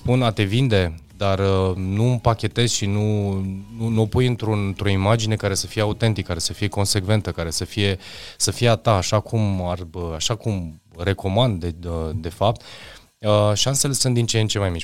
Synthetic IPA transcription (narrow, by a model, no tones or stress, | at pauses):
spunat̪e̞vind̪e̞d̪arənuɨmpakʲe̞t̪e̞zʃinununuopujɨnt̪ɾunt̪ɾo̞imad͡ʒine̞kaɾe̞səfije̞aut̪e̞nt̪ikːaɾe̞səfije̞ko̞nse̞kve̞nt̪əkaɾe̞səfije̞səfije̞at̪aːʃakʰumarəaʃakum | re̞ko̞mand̪eəd̪e̞fap̚t̪ | əʃianselesɨnd̪int͡ʃeent͡ʃe̞majmi